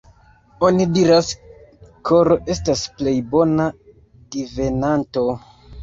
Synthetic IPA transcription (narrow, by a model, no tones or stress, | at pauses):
o̞nidiɾas | kʰoɾo̞ʔe̞stasple̞jbo̞na | d̥ive̞nanto̞